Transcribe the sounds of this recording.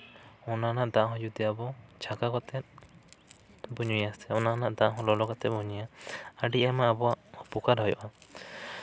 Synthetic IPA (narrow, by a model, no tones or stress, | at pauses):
ɔnanaʔd̪ãɦɔ̃jud̪ɛabɔt͡ʃʰakakɔt̪ʰɛt̪̚ | bɔɲujasɛɔnanaʔd̪ãʔɦɔ̃lɔlɔkat̪ɛbɔɲujaaɖiʔɛmaːbɔaʔhɔpukaɾɦɔjɔʔa